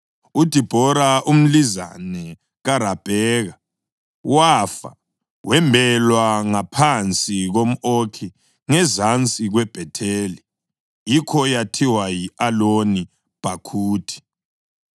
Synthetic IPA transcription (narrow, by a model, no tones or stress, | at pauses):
ud̥ʱib̥ʱɔɾaʔum̩liza̰nɛ | ɣaɾab̥ʱɛːɣa | wafa̰ | wʔɛmbʱɛlwaŋapʰant͡sʼiɣom̩okʰi | ŋɛzant͡sʼiɣwɛb̥ʱɛtʰeːli | jikʰɔjatʰiwajialoni | b̥ʱakʰuːtʰi̥